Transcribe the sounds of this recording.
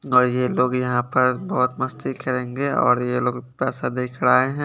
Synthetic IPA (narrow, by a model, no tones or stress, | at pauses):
ɔːɾjeloːɡjɐɦãpɐɾbɔːʊt̪mɐst̪ikɐɾẽːŋɡeɔ̰ːɾjeloːɡpɛːsad̪eːkʰɽaːeɦɛ̃